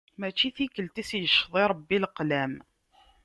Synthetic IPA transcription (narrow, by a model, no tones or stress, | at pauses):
mæt͡ʃːiθikəlt̪isjəʃðˤiɾˤɑbːilqlæm